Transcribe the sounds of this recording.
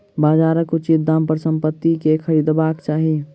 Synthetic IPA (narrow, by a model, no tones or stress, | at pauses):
baːd͡ʒaːɾəkot͡ʃit̪̚d̪ãːmpəɾsə̃mpət̪ːikekʰəɾiːd̪baːkt͡ʃaːɦi